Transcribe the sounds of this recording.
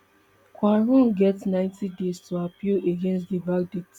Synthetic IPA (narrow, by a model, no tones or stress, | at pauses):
kʰwaɹũnɡɛtnãɪ̃ntidestʰuapieɡɛ̃nstdibak̚det